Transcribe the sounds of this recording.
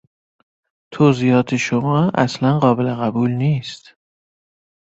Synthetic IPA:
t̪ʰoːziːɒːt̪ʰeʃomɒːʔæ̰slænɢɒːbeleɣæbuːlniːst̪

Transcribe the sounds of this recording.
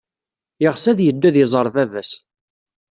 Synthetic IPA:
jəʁsæðjəd̪ːæðəzˤəɾˤvævæs

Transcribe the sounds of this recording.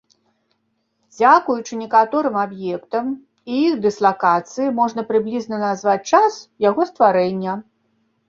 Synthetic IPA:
d͡zʲakujut͡ʂɨnʲɛkat̪ɔɾɨmabjɛkt̪ɐm | ijiɣd̪ɨslˠakat̪sɨjimɔʐn̪ɐpɾɨblʲiznɐnazvat͡sʲt͡ʂasjaɣɔst̪vaɾɛnʲːɐ

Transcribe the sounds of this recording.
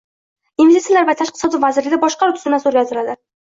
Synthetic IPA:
invest̪it̪jalaɾvat̪ʰaʃq̚t̪ɪsɒd̪ɪvazɪɾlɪɡʲabɒʃqɑaʊt̪ʰʊ̥zɪnasoɾɡʲazt̪ʰɪɾad̪ɪ

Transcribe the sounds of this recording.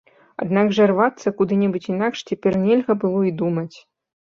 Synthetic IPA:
a̰d̪nɑkʐɘrvat̪t͡sːɐkud̪ɨnʲibutʲinɑkʂtʲepʲerʲnʲelʲɣɐbɨlˠoid̪umətʲ

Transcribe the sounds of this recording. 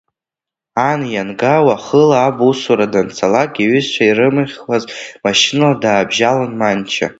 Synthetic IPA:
anjanɡawaχəlaːbusuɾadant͡sʰalakʼiɥʏzt͡ʃʷʰairɨmɨχʲlazmaʃinaladaːbʒalanmant͡ʃʰa̰

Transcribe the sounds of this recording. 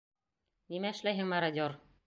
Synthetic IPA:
nimæɘ̆ʃlæjɦɘŋmæɾad̪ʲor

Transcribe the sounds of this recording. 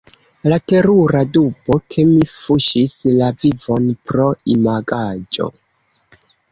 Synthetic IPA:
late̞ɾuɾadubo̞kʰe̞mifuʃislavivo̞npɾo̞imaɡad͡ʒo̞̰

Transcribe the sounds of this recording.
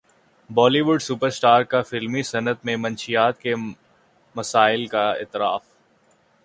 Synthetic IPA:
bɔːliʋʊɖsʊpəɾsʈaːɾkafɪlmisɐnət̪mẽmɐ̃nʃijaːt̪ke | mɐsaːɪlkaɪ̰t̪ɪɾa̰ːf

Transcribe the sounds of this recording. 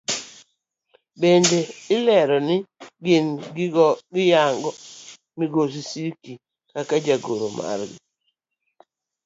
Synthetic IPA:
bendeɪlɛɾɔnɪɡɪn | ɡɪjaŋɡɔ | miɡos̬isiki | kakad͡ʒaɡoɾomʔa̰rɡɪ

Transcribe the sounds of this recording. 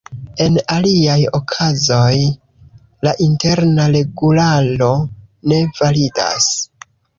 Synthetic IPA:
e̞naliajo̞kʰazo̞j | laʔinte̞ɾnaɾe̞ɡulalo̞ne̞valida̰s

